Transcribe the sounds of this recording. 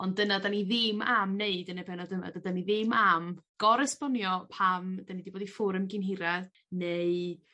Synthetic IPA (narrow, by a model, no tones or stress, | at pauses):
ɔndənadaniðɪmamneɨdənabɛnɔdəma̰dadaniðɪmamɡ̥ɔɾɛspɔnjɔpʰamd̥anidiboːdifʊɾəmɡɪnɦɪɾad | neɨ